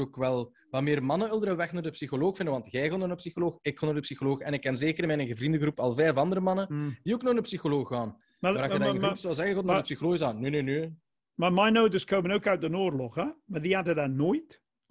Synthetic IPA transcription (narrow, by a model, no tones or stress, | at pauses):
okwɛlˠ | ʋameːrmɑnənɪlˠdəɾəʋɛxnaːrdəpsixoloːxfɪndənʋɑntɣɛjɣanɔnəpsixoloːxɪkxanardəpsixoloːxɛnɪkːɛnzeːkəɾɪmɛnɛɣəvrindəɣrupɑlˠvɛːvɑnd̪əɾəmɑnənd̥ioːknɔɣɪndəpsixoloːxːaːn | maaɾaxdanpsɔlˠzɛɣəɣot̚nadəpsixoloːɣəzaːnnːønønø | mamajnowtəskʰowmənowkœwt̚dənoːrlɔχamaðiadədanoːjt